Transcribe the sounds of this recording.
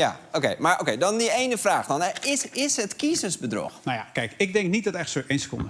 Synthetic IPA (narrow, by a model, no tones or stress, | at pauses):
jaokḛjmaɹʔokejdɔndiejnəfraːxdɔnɛɪsɪsɦətkisəzbədrɔ̰xnajakɛjkɪk̚dɛŋk̚nit̚dɔtɛxtsoejnsə̥kʊ̰ndə